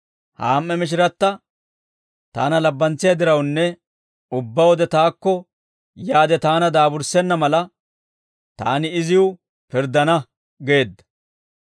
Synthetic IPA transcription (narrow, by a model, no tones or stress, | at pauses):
ha̰ːmːɛmɪʃ̬ɪɾɐt̪ːɐ | t̪a̰ːnɐlɐbːɐnt͡sɪjɐd̪ɪɾɐwnːɛ | ʊbːɐwɔd̪ɛt̪aːkːɔ | jaːd̪ɛt̪aːnɐd̪aːbʊɾsɛnːɐmɐlɐ | t̪a̰ːnɪɪzɪʊ | pɪɾd̪ɐnɐ | ɡe̞ːd̪ːɐ̥